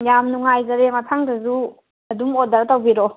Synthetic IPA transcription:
jamnuŋajzɐɾemɐtʰaŋdɐzu | ɐdumodaɾatawbiɾɔ

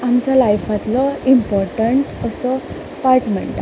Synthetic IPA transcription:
amt͡ɕjalajfat̪lɔimpɔɾʈəɳʈəsɔ | paɾʈmḛɳʈa

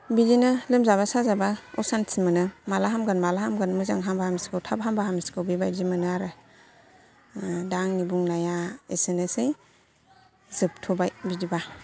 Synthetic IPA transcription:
bidinɯlɯmzaβasazabaɔsansʰimɯnɯmalaɦamɡɯnmalaɦamɡɯnmɯzaŋɦambahamiskʰɯwtʰabɦambaɦamiskʰɯwbibajzimɯnɯaɾɯ | daŋnibuŋnajaḛsɯnɯsɯj | zɯp̚tʰɔbajbidiba

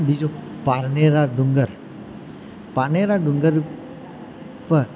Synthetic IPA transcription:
bid͡ʒopaɾneɾaɖuŋɡəɾ | paneɾaɖuŋɡəɾ | pə

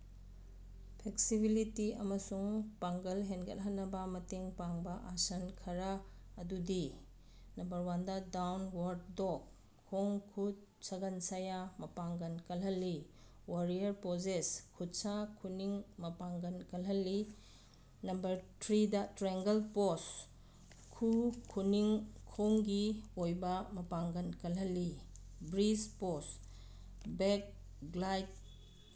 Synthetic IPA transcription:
pʰeksibilitiɐmɐsuŋpaŋɡɐlɦenɡɐ̰t̚ɦɐnːɐbɐmɐteŋpaŋbɐʔasɐnkʰɐɾaːdudi | nɐmbɐɾwandɐdawnwaɾt̚dokʰː | oŋkʰut̚ | sɐɡɐnsajamɐpaŋɡɐnkɐlɦɐlːi | waɾijɐɾpozeskʰut̚sakʰuniŋmɐpaŋɡɐnkɐlɦɐlːi | nɐmbɐɾtʰɾidɐtɾeŋɡɐlpos | kʰukʰuniŋkʰoŋɡiojbɐmɐpaŋɡɐnkɐlɦɐlːibɾispos | bek̚ | ɡlajt̚

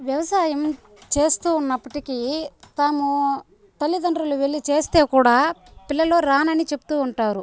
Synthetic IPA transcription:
ʋjɐʋɐsaːjɐm | t͡ʃe̞ːst̪uːnːɐpːɐʈikit̪aːmu | t̪ɐlːid̪ɐɳɖɾuluʋe̞ɭːit͡ʃe̞ːst̪e̞ːkuːɽaːpilːɐlo̞ːɾaːnɐnit͡ʃe̞pu̥t̪uːɳʈaːɾu

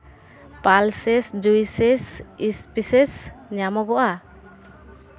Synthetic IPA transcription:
palsɛsd͡ʒuisɛsispisɛsɲamɔɡɔʔa

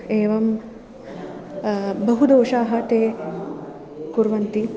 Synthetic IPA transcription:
eːʋɐm | bɐɦud̪oːʂaːɦɐt̪eː | kuɾʋɐnt̪i

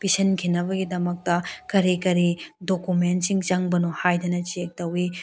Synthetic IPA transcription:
pisɐnkʰinɐbɐɡidɐmɐk̚tɐkɐɾikɐɾidokumentsiŋt͡ʃɐŋbɐnohajdɐnɐt͡ʃiek̚tɐwi

